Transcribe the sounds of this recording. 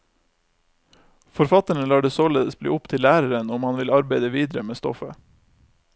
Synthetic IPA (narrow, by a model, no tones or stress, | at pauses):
fɔɾfɑt̪əɳəlɑːɖesoːleːd̪əsblḭːʊpt̪ʰɪlæːɾəɾənʊmhɑnʋɪlɑɾbæɪd̪əʋiːd̪ɾəmeːst̪ɔ̰fə